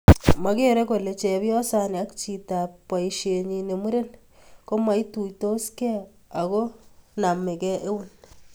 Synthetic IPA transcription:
ma˨ke˦ɾe˦ko˨le˨t͡ʃɛ˨bjɔ˦sa˦˨ne˨a˦kt͡ʃi˨ta˨pwa˨i˨ʃe˨ɲi˨ne˨mu˦ɾe˦n | ko˦ma˦i˦tu˨jto˦skɛ˦ | a˨ko˦na˨me˨kɛ˦ʔe˦wu˦n

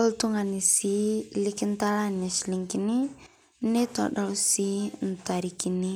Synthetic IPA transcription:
ɔ˦ltu˦ŋa˨ni˨si˦li˦ki˦n˦ta˦la˦na˨ʃi˨li˨ŋki˨ni˦ | ne˦ta̰˨ɗa˨si˦n̩˨ta˨ɾi˨ki˨ni˦

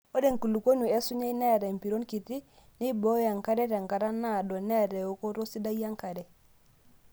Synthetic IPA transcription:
o˦de˦˨ŋ̩˨ku˨lu˨ko˦ɲu˨e˦su˦ɲa˦i˦nɛ˦˨ɾɛ˨m̩˨pi˨ɾo˦nki˨ti˦ | ni˦bo˦ja˨ŋ˨ka˦ɾɛ˦ɾɛ˨ŋ˨ka˨ɾa˦na˦˨dɔ˨nɛ˦˨ɾɛ˨o˦ko˦ɾo˦si˦da˦ja˦ŋ˦ka˨ɾɛ˨

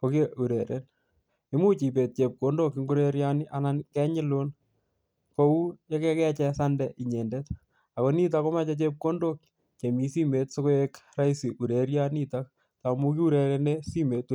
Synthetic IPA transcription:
koke˦ʔu˨ɾe˨ɾḛn | ɪ˦mu˦t͡ʃi˨p̬e˨t̚t͡ʃe˨p̚kondo˦ki˦ŋɡu˦ɾe˦ɾjanɪ˦ʔanankɛ˦ɲɪ˦lo˦n | ko˦u˦jakɛ˦kɛ˦t͡ʃɛsandɛʔi˨ɲe˨ndet | a˨ko˨ni˦t̬ako˦mat͡ʃat͡ʃe˦p̚ko˦ndok̚ | t͡ʃe˨mi˦si˦metso˦ko˦ekra˦isi˨ʔu˨ɾeɾjanitak̚ | tamu˦ki˦u˦ɾe˨ɾenesi˦me˨t

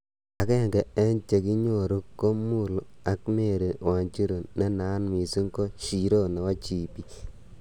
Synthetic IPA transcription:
a˨kɛ˦˨ŋɡɛ˨ɛ˦nt͡ʃe˨ki˦ɲo˨ɾu˦kːɔ˦mu˦˨la˨kme˦˨ɾe˨wa˨nt͡ʃi˦ɾo˨nɛ˦na˦nmi˨si˦ŋkɔ˦ʃi˨ɾo˦nɛ˨wa˦t͡ʃi˨pi˦

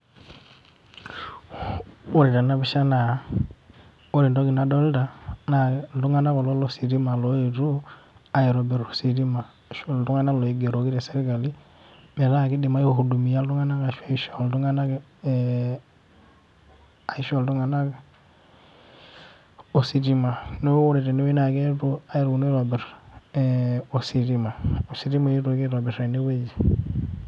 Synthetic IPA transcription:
u˦ɾi˨ɾa˨na˦βi˦ʃa˦na˨˦ | o˦ɾi˨ndo˦ɡi˨na˨do˦lda˨na˨du˦ŋa˦na˦ɣo˨lo˦lo˦si˨ɾi˦ma˨lo˦i˨ɾu˦a˨ji˨ɾo˨bɛ˨ɾo˨si˨ɾi˦ma˨ | ʃo˦ldu˦ŋa˦na˦lo˨i˨ɡe˨ɾo˨˦ɡi˦ɾe˨se˦ɾi˦ka˨li˦ | mɛ˨ɾa˦ki˦di˨ma˦ji˦hu˨du˨mi˨ja˦lu˦ŋa˦na˦ka˨ʃa˦i˨ʃa˨ldu˦ŋa˦na˦ | a˨i˦ʃo˨ldu˦ŋa˨na˦ɡ | o˨si˨ti˦ma˨no˦wo˦ɾe˨te˨ni˦we˦na˨ke˦to˦a˦ji˦ɾɡu˨n˦ɾo˨be˨ɾ | o˨si˨ti˦ma˨o˨si˨ɾi˦ma˨i˦ɾo˨ki˦ɾo˨be˨ɾe˨ni˦we˦d͡ʒi˨

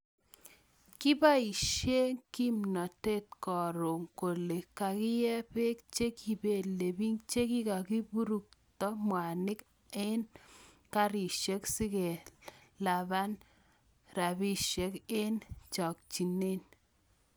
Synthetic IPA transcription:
kɪ˦ba˦i˨ʃe˦ŋki˦mnɔ˨te˦t̚kɔ˨ɾo˨ŋko˨le˨ka˨kɪ˦jɛ˦pe˦k̚t͡ʃe˦ki˨be˨le˨bi˦ŋt͡ʃe˦ki˦ka˨ki˦bu˦ɾu˦k̚tɔ˦mwa˨nɪ˦k | e˦n | ka˦ɾi˨ʃe˦ksɪ˦ke˨la˨ba˦n | ɾa˨bi˦ʃe˨ke˦nt͡ʃɔ˨k̚t͡ʃi˨ne˦n

